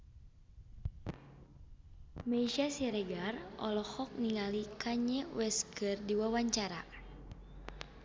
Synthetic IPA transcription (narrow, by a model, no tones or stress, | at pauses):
maiʃasiɾɛɡarɔ̰lɔhɔk̚niŋalikaɲɛwɛskɨrdiwawaɲt͡ʃaɾa̰